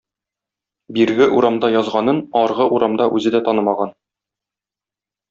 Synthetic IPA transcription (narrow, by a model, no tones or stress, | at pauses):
biɾɡɘʔuɾɑmd̪ɑjɒzʁɑnɤnɒɾʁɤʔuɾɑmd̪ɑʔʉzɘd̪æt̪ɒnɤmɑʁɑn